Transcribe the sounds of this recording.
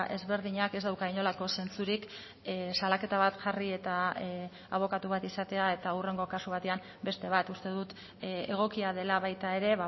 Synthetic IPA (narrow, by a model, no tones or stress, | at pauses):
e̞zβe̞ɾð̞iɲake̞zd̪awkaiɲo̞lako̞se̞nt͡suɾik | salake̞t̪aβat̪ʝarie̞t̪a | aβ̞o̞kat̪uβ̞at̪isat̪e̞ae̞t̪aure̞ŋɡo̞kasuβ̞at̪e̞am | be̞st̪e̞β̞at̪ust̪e̞ðut̪ | eɣ̞o̞kiaðe̞laβajt̪ae̞ɾe̞βa